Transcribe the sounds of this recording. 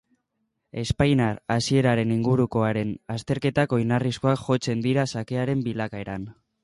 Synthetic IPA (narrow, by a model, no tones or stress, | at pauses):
e̞spajnaɾasie̞ɾaɾe̞niŋɡuɾuko̞aɾe̞nast̪e̞ɾke̞t̪ako̞jnarisko̞akʝo̞t͡se̞nd̪iɾasake̞aɾe̞mbilakae̞ɾan